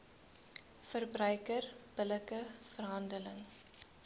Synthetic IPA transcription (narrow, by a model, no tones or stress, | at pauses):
fərbrœɥkərb̥ələkəfərɦɐndələŋ